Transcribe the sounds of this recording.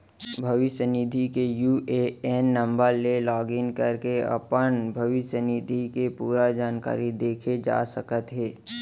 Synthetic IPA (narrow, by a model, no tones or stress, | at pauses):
bʱɐʋɪʃjənɪd̪ʱikejuːʔeeːnːɐ̃mbəɾlelɔːɡɪŋkɐɾkeɐ̰pənbʱɐʋɪʃjənɪd̪ʱikepuːɾad͡ʒaːnka̰ːɾid̪eːkʰed͡ʒa̰ːsəkət̪ɦɛː